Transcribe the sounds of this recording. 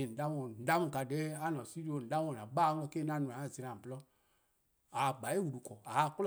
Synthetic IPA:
i˨n̩˨da˦mo˧˨n̩˨da˦mu˨ka˨de˨˦a˦nɔ˨si˦ɾo˨n̩˨da˦m˦o˦˨na˨ba˦n˦ɔ˧˦ke˦na˦˨nu˨a˨a˦˨zi˨ɾa˨blɔ˦ | a˨ɡ͡ba˨˦e˦wu˨du˨kɔ˨a˨a˦˨kl

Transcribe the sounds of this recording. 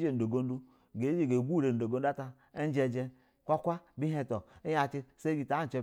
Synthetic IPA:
d͡ʒe˨n̩˨do˨ɡo˦n˦du˦ | ɡe˨˦d͡ʒe˨ɡe˨ɡʷu˦˨ɾe˨n̩˨do˨ɡo˦n˦a˦ta˦ | e˦n˦d͡ʒe˦d͡ʒe˦ | kʷa˦kʷa˦bi˦ɦe˦to˨i˦ja˨ti˦se˦ɡi˨ta˨˦˨t͡ʃe˦

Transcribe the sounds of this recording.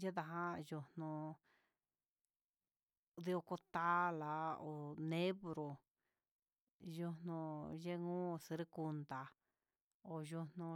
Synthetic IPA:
je˦ða˧ɦã˦ju˧nũ˧ | ði˧o˧ko˧t̪a˦la˨o˨nẽ˦βɾo˨ | ju˧nnũ˧je˦ŋũː˦si˧ɾi˦ku˧nd̪a˨ | o˨ju˧nũ˧

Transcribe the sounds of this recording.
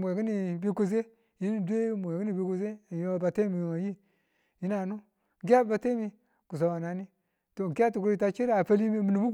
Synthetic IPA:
mʷ˨e˨ki˦ni˨bi˦ku˨s̬e˦ | ji˦ni˦dʷe˦m˨e˨ki˦ni˨bi˦ko˨z̬e˦˨ji˦a˨ba˨te˦mi˨ŋa˨ji˦ | ji˦na˨˦nu˦ | ŋ˨ki˦a˦˨ba˨te˦mi˨ | ku˨s̬o˨wa˨na˨˦ni˦ | to˨ŋ˨ki˦a˦tu˨kɾi˨ta˦t͡ʃi˦ɾa˨pa˦li˦mi˦mi˨nu˨mu˦

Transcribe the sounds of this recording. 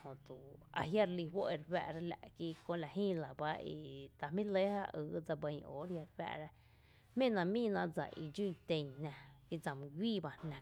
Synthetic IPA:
hõ˨t̪u˨a̰˨ɦja˦ɾli˧ɦwo˦ʔi˧ɾbæ̰˧ʔɾa˦la̰˧ʔki˦kõ˧ʔla˨hĩː˦la˨ba˦ḭ˧t̪a˨mĩ˦le˦ha̰˦ʔəː˨˦d͡za˧bə˧ɲʔo̰ː˨ɾja˧ɾbæ̰˧ʔɾa˧ | hmẽ˦˨nã˧mĩː˦nã˧ʔd͡za̰˨ʔḭ˧d͡ʒu˦˨t̪ẽ˧ɲnã˧ki˦d͡za˨mũ˧ɡʷiː˦˨ba˧nnã˧

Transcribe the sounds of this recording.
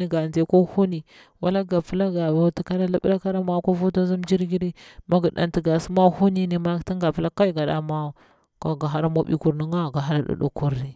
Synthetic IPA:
i˦ɡa˨nd͡ʒe˨˦ko˦hu˦ni˨ | wa˦la˦ɡa˨pə˦la˦ɡa˨va˨ti˨ka˦ɾa˦la˦ɓɾa˦ka˦ɾa˦ma˦ko˦vu˦ta˦zu˦md͡ʒi˦ɾɡi˦ɾi˦ma˦ɡu˨ɗa̰˨nti˨ɡa˨su˦ma˦hu˦ni˦ni˨ma˦ti˦ŋɡa˨pi˦la˦ka˦i˦ɡa˨da̰˨˦ma˦ | ka˨ɡa˨a˦ɾa˦mo˦ɓḭ˦ku˨ɾni˦ŋɡa˦˨ɡa˨ɦa˦ɾa˦ɗṵ˨ɗṵ˨ku˦ɾni˨

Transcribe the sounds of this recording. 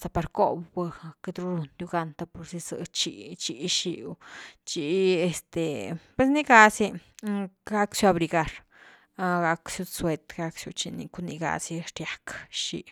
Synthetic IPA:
sa˧pa˧ɾko̰˦bba˧ke˧d̪ɾu˧ɾu˧nju˧ɡa˧nt̪a˧pu˧ɾsi˧sɨ̰˧˨t͡ʃḭ˧t͡ʃi˧ʃi˧t͡ʃi˧e˧st̪e˨pwe˧sni˦ɡa˧si˧ | ɡa˦ksu˧a˧bɾi˧ɡa˧ɾ | ɡa˧ksju˧swe˧t̪ɡa˧ksju˧t͡ʃḭ˧nḭ˧ku˧ni˧ɡa̰˧si˧ʂɾja˧kʃḭ˧

